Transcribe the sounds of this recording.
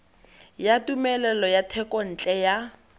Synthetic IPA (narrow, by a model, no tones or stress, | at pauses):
jatumɛlɛlɔjatʰɛkʼɔn̩ːt͡ɬʼɛja